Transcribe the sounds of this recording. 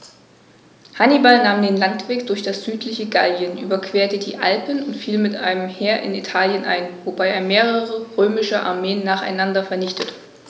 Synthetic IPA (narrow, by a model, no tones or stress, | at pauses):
hanibalnaːmdeːnlantv̥eːkd̥ʊɐçd̥asz̥yːtʰlɪçəɡaljənʔyːbɐkv̥eːɐtədiːʔa̰lpənʊntfiːlmɪtʔa̰ɪnəmheːɐʔɪ̰nitʰaːljənʔa̰ɪnvobaɪeːɐmeːʁəʁəʁøːmɪʃəʔa̰ɐmeːənːaːχa̰ɪnandɐfɛɐnɪçtətə